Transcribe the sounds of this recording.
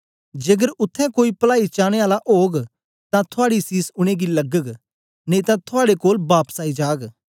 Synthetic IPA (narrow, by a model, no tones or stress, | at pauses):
d͡ʒeːɡəɾʊt̪ʰːɛ̃koːipəlaːit͡ʃaːɽ̃eaːlaʔoːɡ | t̪ãt̪ʰʊaːɽisiːsʊɽ̃eɡiləɡəɡ | neĩt̪ãt̪ʰʊaːɽekoːlbaːpəsaːid͡ʒaːɡ